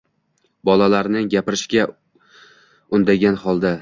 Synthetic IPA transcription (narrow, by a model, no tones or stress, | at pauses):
bɒlalaɾnɪŋɡʲapɪɾɪʃɡʲa | ʊnd̪aɡʲanhɒlˠd̪a